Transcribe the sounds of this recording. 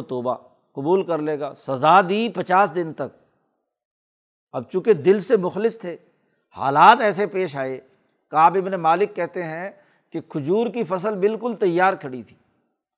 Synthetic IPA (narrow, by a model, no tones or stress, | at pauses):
t̪oːba̰ | qʊbuːlkɐɾleːɡaːsɐzaːd̪iːpɐt͡ʃaːsd̪ɪnt̪ɐk̚ | ɐb̚t͡ʃũːked̪ɪlsemʊxlɪst̪ʰeː | ha̰ːlaːt̪ɛːsepeːʃ̬aːeː | kaːbɪbnemaːlɪkːɛɦt̪eɦɛ̃ | kekʰʊd͡ʒuːɾkifɐs̬əlbɪlkʊlt̪ɐjːaːɾkʰɐɽit̪ʰi̥ː